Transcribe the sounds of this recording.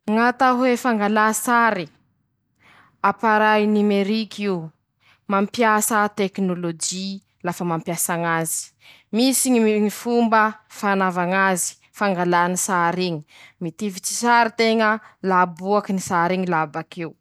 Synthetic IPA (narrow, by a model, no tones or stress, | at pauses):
ŋat̪aɦuefaŋɡalasaɾi | apaɾajnimeɾikiw | mampjasət̪eknolod͡ʒi | lafəmampjasaŋazi̥ | misiŋiŋifumbəfanavaŋazi̥ | faŋɡalanisaɾiɲi̥mit̪ivit͡ʃi̥saɾit̪eŋəlabuakinisaɾiŋilabakiu